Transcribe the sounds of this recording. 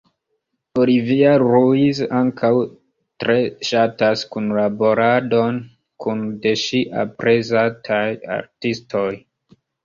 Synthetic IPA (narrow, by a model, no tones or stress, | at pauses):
oliviaɾuizaŋkʰaw | tɾe̞ʃataskunlabo̞ɾado̞n | kunde̞ʃiʔa̰pɾezatʰaja̰ɾtisto̞j